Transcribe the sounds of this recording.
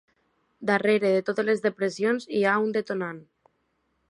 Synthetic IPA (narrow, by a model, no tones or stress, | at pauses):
d̪areɾeðet̪oðelezðepɾesjonsiaund̪et̪onan